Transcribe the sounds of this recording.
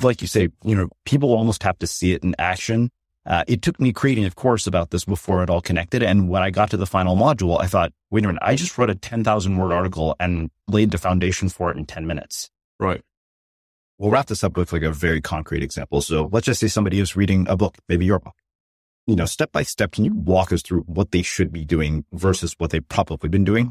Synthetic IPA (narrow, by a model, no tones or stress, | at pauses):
laɪkjɨseɪjɨnoʊpʰip̬l̩ˠɔlˠmoʊst̚hæftɨsiɨɾ̃n̩æ̰kʃɨ̃n | ʔʌ̰ʔɨtʰʊk̚mikʰɹ̥ieɪɾɪ̃ŋʌv̥kʰɔɹsəbaʊt̪̚ðɪsb̥əfɔɹɨɾɔlˠkʰɨnɛk̚tɨɾɨ̃nwə̃ñaɪɡɑtʰɨðəfãɪ̃nl̩ˠmɑd͡ʒl̩ˠa̰ɪθɔt̚wɪ̃nɨmɨ̃na̰ɪd͡ʒʌst̚ɹoʊɾɨtʰɛ̃nθaʊzn̩wɜ˞ɾɑɹɾɨkl̩ˠɨ̃nleɪd̪̚ɨfãʊ̃ndeɪʃn̩fə˞ɨɾ̃n̩tʰɛ̃nmɪ̃nɨ̰ts | ɹʔaɪt̚ | wɛlˠɹæp̚t̚ðɨsʌb̥ʊkʰlaɪkɨvɛɹikʰɑ̃ŋkʰɹ̥ḭɾɨɡz̥æ̰̃mpl̩ˠsoʊlətsd̥ʒ̥ʌstseɪsʌ̃mbɑɾiwʌzɹiɾɪ̃ŋə̰bʊkmeɪbijə˞bʊk | jɨnoʊstɛp̚b̥aɪstɛp̚kʰnjɨwɔkʌsθɹʉwʌt̪̚ðeɪʃɨd̚bidʉɪ̃ŋvɜ˞sɨzwʌt̪̚ðeɪpʰɹ̥ɑbəblibɨ̃ndʉɪ̃ŋ